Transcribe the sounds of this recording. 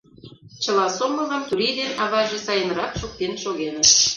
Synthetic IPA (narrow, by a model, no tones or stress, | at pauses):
t͡ɕə̆lɑsoməzəmt̪uɾid̪enɑβɑʒesɑjənɾɑkʃok̚t̪enʃoɣenə̆t̪